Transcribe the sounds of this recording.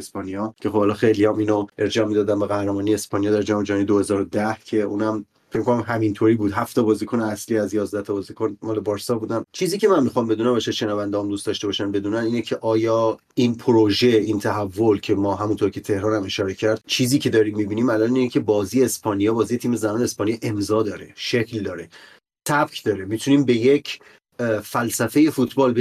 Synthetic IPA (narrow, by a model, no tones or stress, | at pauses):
espɒnijɒːcʰe̞xobhɒlɒːxejliɒmiːnoʔeɾd͡ʒɒːmid̪ɒːd̪æmbeɣæhɾemɒːnijeeːspɒːnijɒːd̪æɾd͡ʒɒːmed͡ʒɒnijd̪ohe̞zɒːɾod̪æhcʰe̞uːnæm | fecʰmikʰonæmɦæmint̪ʰoɾiːbuːd̪ɦæft̪ʰɒbɒːzikʰoneæsliːæzjɒːzd̪æht̪ʰɒbɒːzikʰonmɒːlebɒːɾsɒbuːd̪æmt͡ʃʰiːziːcʰe̞mænmːixɒmbe̞d̪uːnæbɒʃæʃenɒːvænd̪eɒmd̪uːst̪ɒʃt̪ebɒːʃænbe̞d̪uːnæniːnecʰe̞ʔɒːjɒː | inpʰoɾoʒe̞int̪ʰæɦævːolcʰe̞mɒːɦæmunt̪ʰoɾcʰe̞t̪ʰe̞hɾɒːnæme̞ʃɒːɾe̞cʰæɾd̪̥̚t͡ʃʰiːziːcʰe̞d̪ɒːɾimːiːbiːniːmælɒːniːecʰebɒːzijeːspʰɒːnijɒːbɒːzijeiːme̞zænɒːneːspɒːnijɑʔe̞mzɒːd̪ɒːɾe̞̰ʃecʰld̪ɒːɾe | t̪ʰæbkʰd̪ɒːɾemit̪ʰuniːmbe̞jecʰ | fælsæfeje̞fut̪ʰbɒːlbe